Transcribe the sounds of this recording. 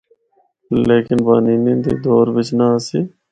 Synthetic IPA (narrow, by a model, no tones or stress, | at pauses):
leːkɪnbaːniːnĩːnd̪ḭːd̪oːɾbɪt͡ʃnaəsiː